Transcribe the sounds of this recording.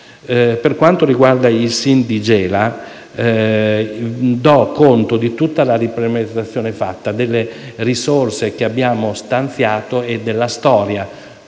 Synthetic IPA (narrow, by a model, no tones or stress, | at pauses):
perkwant̪oɾiɡward̪ailsind̪id͡ʒɛːla | d̪ɔkːont̪od̪it̪ut̪ːalaɾipɾement̪at̪sːjoːnefa̰t̪ːad̪elːerisorsek̟eabːjaːmost̪ant̪sjaːt̪oed̪ːelːast̪ɔːɾja